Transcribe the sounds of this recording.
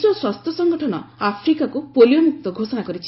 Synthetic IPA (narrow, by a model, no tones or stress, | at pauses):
sɔswast̪ʰjɔsɔŋɡɔʈʰɔnɔ̰apʰɾikakupolijɔmuk̚t̪ɔɡʱosɔnakɔɾit͡ʃʰi